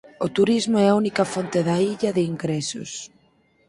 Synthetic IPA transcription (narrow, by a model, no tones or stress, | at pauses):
ot̪uɾizmoɛaunikɐfɔnt̪eðaiʎɐðɪiŋɡɾɛsʊ̰s